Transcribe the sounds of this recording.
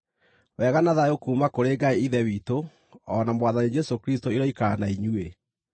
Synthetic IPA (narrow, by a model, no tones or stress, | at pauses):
wɛːɣanaðaokuːmakoɾeɡaeiðɛwiːto | ɔnamwaðanid͡ʒɛsokɾistoiɾɔikaːnaiɲue